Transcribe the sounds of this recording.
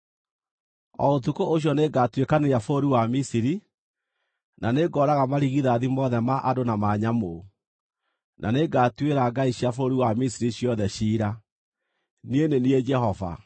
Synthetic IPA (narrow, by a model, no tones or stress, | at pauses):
ɔ̰otukoʔoɕ̬jɔneɡatwekaneɾjafoːɾiwamisiɾi | naneɡɔɾaɣamaɾiɣiðaðimɔðɛmaʔadonamaɲamo | nʔa̰neɡatweɾaɡaiɕjafoɾiwamisiɾiɕjɔðɛɕiːɾa | nienenied͡ʒɛhɔva̰